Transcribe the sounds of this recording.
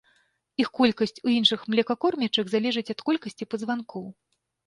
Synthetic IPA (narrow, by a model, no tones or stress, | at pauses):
ixkɔlʲkɐsʲt͡sʲujinʂɨxmlʲɛkakɔrmʲɛt͡ʂɐɣzalʲɛʐɨt͡sʲɐt̪kɔlʲkɐsʲt͡sʲipɐzvankʰɔw